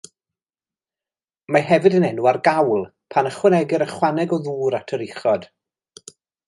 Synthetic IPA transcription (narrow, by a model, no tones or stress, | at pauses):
maɦɛvɨdənɛnuarɡawlˠ | pʰanəχwənɛɡɪɾəχwanɛɡɔðuːɾatʰəɾɪχɔd̥